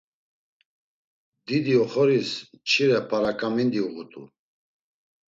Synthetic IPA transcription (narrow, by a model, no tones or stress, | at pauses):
d̪id̪iɔχɔɾist͡ʃʰiɾɛpʰaɾakʼamind̪iuʁut̪ʼṵ